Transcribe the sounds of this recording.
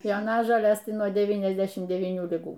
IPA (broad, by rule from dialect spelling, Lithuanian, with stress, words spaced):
joːˈnɑːʒoːlʲeːs nuɔ ˌdʲæːʋʲiːnʲɛzʲˈdʲæːʃʲɪm dʲɛʋʲiːˈnʲuː lʲɪˈɡuː